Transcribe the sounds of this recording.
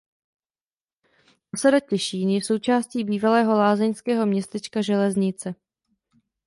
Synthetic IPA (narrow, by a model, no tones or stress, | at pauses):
ʔosadacɛʃiːnjɛso̞wt͡ʃaːsciːbiːvalɛːɦo̞laːzɛɲskɛːɦo̞mɲɛst̪ɛt͡ʃkaʒɛlɛzɲɪt͡sɛ